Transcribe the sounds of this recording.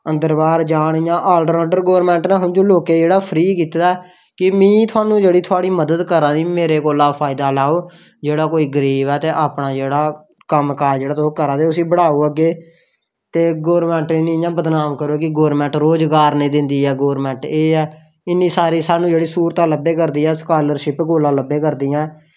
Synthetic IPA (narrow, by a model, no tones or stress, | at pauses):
ə̃nd̪əɾbaːɾd͡ʒaːɽ̃ijãːʔaːlɖəɾaːɖəɾɡoːɾmɛ̃ːɳʈnãːɦʊnd͡ʒoːloːkeːd͡ʒeːɽaːpʰəɾiːkiːt̪d̪aː | kɪmĩːt̪ʰʊaːnũːd͡ʒeːɽiːt̪ʰʊaːɽiːməd̪əd̪kəɾãːd̪iːmeːɾeːkoːlãːpʰaːɪd̪aːlaːoː | d͡ʒeːɽaːkoːiːɡəɾiːʋɛːt̪eːʔaːpɽãːd͡ʒeːɽaː | kəmkaːɾd͡ʒeːɽaːt̪okəɾãːd̪eːʊsĩːbəɽaːoːəɡeː | t̪eːɡoːɾmɛ̃ːɳʈɪnĩjãːbəd̪naːmkəɾoːkɪɡoːɾmɛ̃ːɳʈɾoːd͡ʒɡaːɾnẽːd̪ɪnd̪iːɛːɡoːɾmɛ̃ːɳʈeːɛː | ɪnːĩːsaːɾiːsaːnũːd͡ʒeːɽiːsuːɾt̪aːləbeːk̬əɾd̪iːɛːskaːləɾʃɪpkoːlãːləbeːkəɾd̪iːɛ̃ː